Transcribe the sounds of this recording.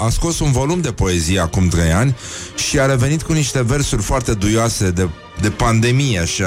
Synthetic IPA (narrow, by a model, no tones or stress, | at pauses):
asko̞sunvo̞lumd̪e̞po̞e̞zijeakumt̪ɾe̞janʲ | ʃiaɾe̞ve̞nit̪̚kuniʃt̪e̞ve̞rsurʲfoart̪e̞d̪ujoase̞d̪e̞ | d̪e̞pand̪e̞mijeaʃa